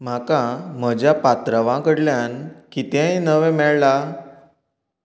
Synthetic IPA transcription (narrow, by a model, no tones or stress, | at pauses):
m̤akãm̤əd͡ʑjapat̪ɾəʋãkəɽljankit̪ẽinəʋɛ̃mɛɭla